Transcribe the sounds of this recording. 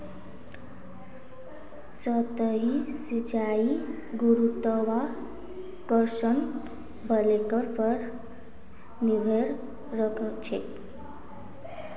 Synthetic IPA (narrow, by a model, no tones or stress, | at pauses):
sət̪əɦisit͡ʃai | ɡuɾut̪əwa | kəɾsən | bʱəlekəɾpʌɾ | nibʱeɾ | ɾəkʰəkt͡ʃʰɛ̰